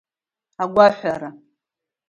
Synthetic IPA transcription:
aɡʷaħʷaɾa

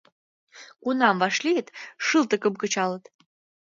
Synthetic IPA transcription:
kunɑmvɑʃliət̪ʃɨlt̪ə̆kəmkə̆t͡ɕɑlət̪

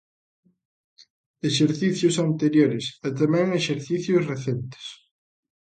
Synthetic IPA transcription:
eʃeɾθiθjʊsant̪eɾjoɾɪsɛt̪amɛ̃ŋeʃeɾθiθjʊsreθɛnt̪ɪ̥s

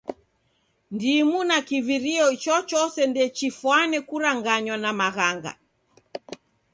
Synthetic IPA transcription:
ndimunakiviɾiɔt͡ʃɔt͡ʃɔsɛndɛt͡ʃifwanɛkuɾaŋɡaɲwanamaɣaŋɡa̰

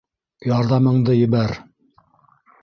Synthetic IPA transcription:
jɑɾðɑmɤ̆ɴd̪ɤjɘ̆βæɾ

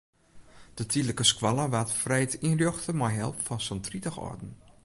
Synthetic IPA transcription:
d̥ətʰiləkəskwɔlˠəʋatfrɛjtinrjoxtəmajɦɛ̰lˠpfɔnsɔntritəxɔ̰rdn̩

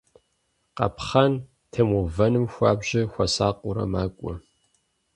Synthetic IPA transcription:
qɐ̰pχɐn | tʰɐmuvɐnɨmxʷɑ̰ːbʑɪxʷɐsaːqʷʼʊɾɐ̰maːkʷʼɔ

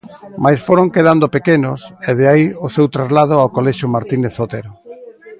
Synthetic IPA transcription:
majsfoɾoŋkeð̞and̪opekenʊseð̞eaiʊsewt̪ɾazlað̞ʊawkolɛʃʊmaɾt̪ineθot̪eɾo

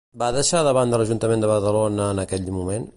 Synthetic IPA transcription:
baðəʃaðəβand̪ələʒunt̪əmend̪əβəɾðəlonəːnəkɛʎmumen

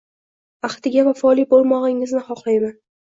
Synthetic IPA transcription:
aχt̪ɪɡʲavafɒlˠibolˠmɒʁɪŋɪznɪχɒqlˠajman

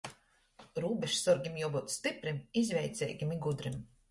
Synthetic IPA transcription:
ɾuːbʲɛʃsɔɾɡʲimjuɔbuːt̪st̪ipɾimizvʲɛjt̪sʲɛ̰ːjɡʲimiɡud̪ɾim

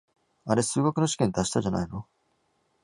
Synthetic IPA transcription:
aɾe̞sɨːɡokɯ̟no̞ɕi̥kʲẽnd̪aɕi̥t̪aʑana̰ino

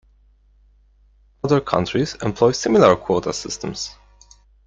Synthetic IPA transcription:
ʌðə˞kʰʌ̰̃ntɹ̥izɛ̰̃mpʰl̥ɔɪsɪmɪl̩ˠəɹkʰw̥ɔtə̰sɪstə̃mz̥

